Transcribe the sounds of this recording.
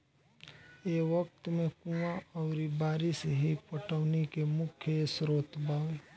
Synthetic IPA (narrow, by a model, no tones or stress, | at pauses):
eːʋək̚t̪mẽkũaɔːɾibaːɾiseɦipəʈəːnikemʊkʰjesɾoːt̪bʱaːwe